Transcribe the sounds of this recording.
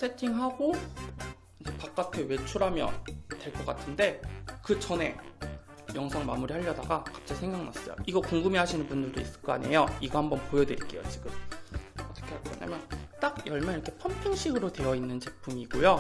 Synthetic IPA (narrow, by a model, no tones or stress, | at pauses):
sʰe̞tʰiŋɦaɡo | ind͡ʑe̞pak̚k͈atʰewe̞t͡ɕʰuɾɦamjʌ̰ntwe̞ɭk͈ʌk͈atʰɯnde̞kɯd͡ʑʌne̞ | jʌŋsʰaŋmamuɾihaʎːʌdaɡakḁp̚t͡ɕ͈aisʰeŋɡaŋna̰s͈ʌ̰jo̰iɡʌkoŋɡɯmiɦaɕʰinɯnpundɯɭdois͈ɯ̥k͈ʌa̰ɲe̞jʌiɡʌhambʌnpojʌdweɾik͈e̞̰jo̰t͡ɕiɡɯmʌt͈ʌ̥kʰe̞aɭk͈ʌɲa̰mjʌnt͈ak̚jʌɭmjaiɾʌkʰe̞pʰʌmpʰuŋɕʰiɡɯɾode̞jʌinːɯnt͡ɕe̞pʰumiɡojo